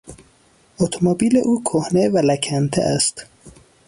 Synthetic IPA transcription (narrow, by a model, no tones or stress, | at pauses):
ot̪ʰomobiːlḛʔuːkʰohnevælækʰænt̪ʰḛʔæst̪